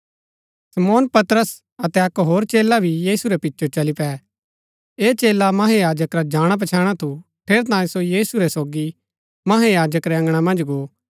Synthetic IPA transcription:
sɐmoːnpɐt̪ɾəs | ɐt̪ɛɐkɦoːɾt͡ʃeːlabʱijiːsuɾɛpɪtːʃʰot͡ʃɐlipɛ | eːt͡ʃeːlamɐɦejaːd͡ʒəkɾad͡ʒaːɽ̃ap̬ɐt͡ʃʰaːɽ̃at̪ʰu | pʰeːɾt̪ãːĩsojiːsuɾɛsoːɡi | mɐɦejaːd͡ʒəkɾɛɐ̃ŋɡɽ̃amɐ̃nd͡ʒɡoː

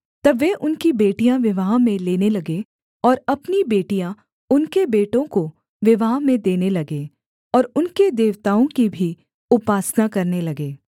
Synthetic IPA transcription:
t̪ɐbʋeʔʊnkibeːʈijãʋɪʋaːɦmẽleːnelɐɡe | ɔːɾɐpnibeːʈijã | ʊnkebeːʈõko | ʋɪʋaːɦmẽd̪eːnelɐɡe | ɔːɾʊnked̪eːʋt̪aːõkibʱi | ʊpaːsnakɐɾnelɐɡeː

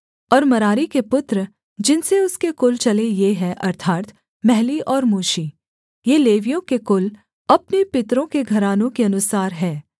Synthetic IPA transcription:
ɔːɾmɐɾaːɾikepʊt̪ɾ | d͡ʒɪnseʊskekʊlt͡ʃɐlejeɦɛ̃ʔɐɾt̪ʰaːɾt̪ | mɛɦliʔɔːɾmoːʃiː | jeːleːʋijõkekʊl | ɐpnepɪt̪ɾõkeɡʱɐɾaːnõkeɐnʊsaːɾɦɛː

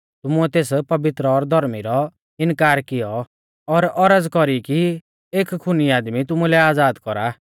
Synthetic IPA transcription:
t̪ʊmuɛt̪eːspɐbɪt̪ɾɔɾd̪ʱɔɾmiɾɔ | ɪnkaːɾkɪjɔ | ɔɾɔɾəd͡zkɔɾiki | eːkkʰːʊniaːd̪mit̪̬ʊmulɛaːd͡zaːd̪kɔɾa

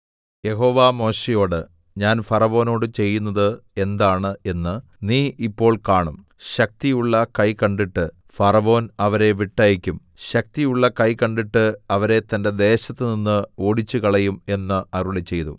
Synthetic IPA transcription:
je̞ɦo̞ːʋaːmo̞ːɕejo̞ːɽɨ | ɲaːnfɐrɐʋo̞ːno̞ːɽɨt͡ɕe̞jːunːɐðɨe̞nd̪aːɳɨe̞nːɨ | niːʔipːo̞ːɭkaːɳum | ɕɐk̚t̪ijuɭːɐkɐjkɐɳɖiʈːɨ | fɐrɐʋo̞ːnɐʋɐɾe̞ʋiʈːaːjikʲːum | ɕɐk̚t̪ijuɭːɐkɐjkɐɳɖiʈːɨɐʋɐɾe̞t̪ɐnde̞d̪e̞ːɕɐt̪ːɨninːɨo̞ːɽit͡ɕːukɐɭɐjume̞nːɨɐɾuɭit͡ɕe̞jt̪ṵ

